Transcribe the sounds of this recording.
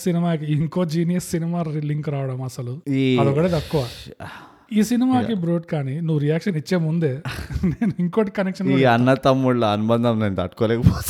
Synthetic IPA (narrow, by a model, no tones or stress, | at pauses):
sinimaːk̬iiŋko̞ːd͡ʒiːnijɐsːinimaːiliŋkɾaːʋɐɽɐmɐsɐluɐd̪ɔkɐʈeːt̪ɐkːuʋaː | iːsinimaːibɾo̞ːʈkaːninuʋːɾijaːkʂɐnit͡ʃːe̞ːmund̪e̞ːneːnuiŋkoːʈikɐnekʂɐnunːɐnːɐt̪ɐmːuɭːɐɐnubɐnd̪ʱɐmneːnt̪ɐ̰ʈkoːlɛːkɐpo